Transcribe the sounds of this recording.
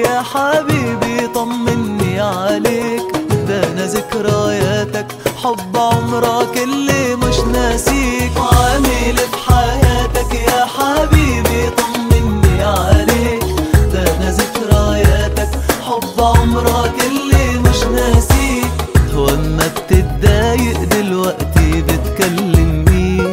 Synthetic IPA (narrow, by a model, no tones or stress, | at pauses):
jaːħabiːbit̪ˤɑmːɪnːiːʕaleːkd̪aːnazɪkɾajaːt̪ak | ħɑbːʕʊmɾˤɑkɪlːiːmɪʃnaːsiːkʕaːmiːlɪfħajaːt̪akjaːħabiːbit̪ʊmːɪnːiʕaleːkd̪aːnazɪkɾajaːt̪akħɑbːʕʊmɾˤɑkɪlːiːmɪʃnaːsiːwʔɪmːabt̪ɪbd̪ːajɪʔd̪ɪlwaʔt̪ibɪt̪kalːɪmmiː